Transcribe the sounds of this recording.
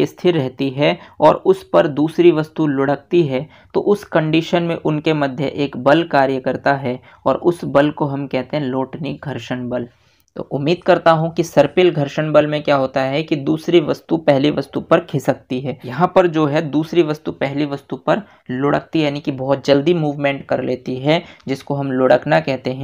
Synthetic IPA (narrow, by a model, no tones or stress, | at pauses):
est̪ʰɪɾːɛɦt̪iɦɛɔːɾʊspɐɾd̪uːsɾiʋɐst̪ulʊɽək̚t̪iɦɛ | t̪o̰ʔʊskɐ̃ɳɖiːʃənmẽʔʊnkemɐd̪ʱjə̰ʔeːkbɐlkaːɾjəkəɾt̪aɦɛ | ɔːɾʊsbɐlkoɦɐmkɛɦt̪ẽɦɛ̃loːʈnɪk̚ɡʱɐɾʃəɳ̃bɐl | t̪o̰ːʔʊmːiːd̪̚kɐɾt̪aɦũkisɐɾpɪlɡʱɐɾʃəɳbəlmẽkjaːɦoːt̪aɦɛkid̪uːsɾiʋɐst̪upɛɦliʋɐst̪upɐɾkʰɪsɐk̚t̪iɦɛːjɐɦãpɐɾd͡ʒoːɦɛd̪uːsɾiʋɐst̪upɛɦliʋɐst̪upɐɾ | lʊɽə̰k̚t̪ijaːnikibɔːt̪̚d͡ʒɐld̪imuːʋmẽːɳʈkɐɾleːt̪iɦɛd͡ʒɪskoɦɐmloːɽəknakɛɦt̪eɦɛ̃ː